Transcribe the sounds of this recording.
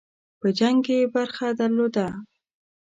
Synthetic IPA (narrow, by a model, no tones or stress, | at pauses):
pəd͡ʒaŋkebaɾxad̪aɾlod̪a